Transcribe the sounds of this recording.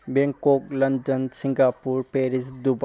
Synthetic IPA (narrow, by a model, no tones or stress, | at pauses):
beŋkok̚lɐndɐnsiŋɡapuɾpeɾisdub